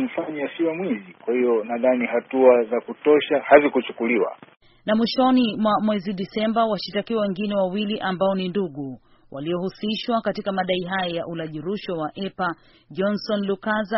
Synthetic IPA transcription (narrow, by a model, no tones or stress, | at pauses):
m̩faɲiasiamwizikwahiɔnaðaniɦatuazakutɔʃahazikut͡ʃukuliwa̰ | namwiʃɔnimwamwɛziɗisɛmbawaʃitakiwawɛŋɡinɛwawiliʔambaɔninduɠu | wʔaliɔhusiʃwakatikamaɗaiɦajɔjaʔulaʄiɾuʃɔwaʔɛpa | ʄɔnsɔnlukaza